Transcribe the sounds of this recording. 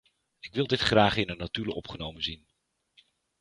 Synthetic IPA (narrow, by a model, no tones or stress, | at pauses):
ɪkʋɪlˠdɪtχraːχɪnənatyləʔɔpχənowmənzin